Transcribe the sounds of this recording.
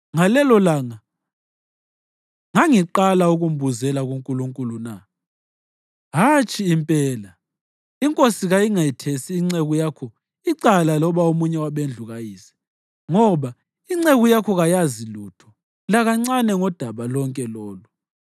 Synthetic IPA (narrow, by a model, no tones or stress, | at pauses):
ŋalɛlɔlaŋa | ŋaŋiǃalauɣum̩buzɛlaɣuŋkʼuluŋkʼuluna | ɦat͡ʃʼiːmpʼɛːla | iŋkʼosiɣajiŋajitʰesiːŋ͡ǀeɣujakʰɔ | iǀalalɔβaomuɲɛwaɓend͡ɮʱuɣajiːsɛ̥ | ŋɔβa | iŋ͡ǀeɣujakʰɔɣajazilutʰɔ̥ | laɣaŋ͡ǀanɛŋɔd̥ʱaβalɔŋkʼɛlɔːlu